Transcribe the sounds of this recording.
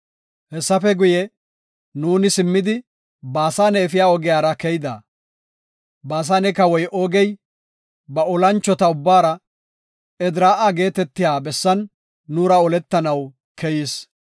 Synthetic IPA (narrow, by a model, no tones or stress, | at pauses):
hɛsːɐfɛɡʊjɛ | nuːnɪsɪmːɪd̪ɪ | baːsaːnɛːfɪjaːɔɡɪjaːɾɐkɛjd̪ɐ̰ | baːs̬aːnɛkɐwɔjʔoːɡɛj | bɐɔlɐnt͡ʃːɔt̪ɐʊbːaːɾɐ | ɛd̪ɾaːʔaɡe̞ːt̪ɛt̪ːɪjaːbɛsːɐnː | uːɾɐɔlɛt̪ːɐnɐw | kɛjɪs